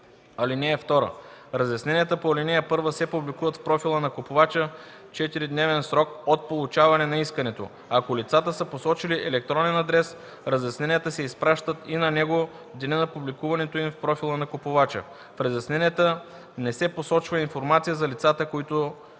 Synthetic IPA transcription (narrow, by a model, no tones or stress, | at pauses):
ɐlinɛːft̪ɔɾə̰ɾɐzjɐsnɛniət̪əpoɐlinɛɛpɤɾvəsɛpublikuvət̪fpɾɔfilˠənɐkopovat͡ʃə | t͡ʃɛt̪iɾid̪nɛvɛnsɾɔkot̪̚polˠut͡ʃavɐnɛnɐiskənɛt̪o̰ | ɐkolit̪sat̪əsəposɔt͡ʃiliʔɛlɛk̚t̪ɾɔnɛnɐd̪ɾɛs | ɾɐzjɐsnɛniət̪əsɛispɾaʃt̪ət̪inɐnɛɡo | d̪ɛnɛnɐpublikuvɐnɛt̪oimfpɾɔfilˠənɐkopʊvat͡ʃə̰ | fɾəzjɐsnɛniət̪ə | nɛsɛposɔt͡ʃvəinfoɾmat̪sijəzɐlit̪sat̪əkoit̪o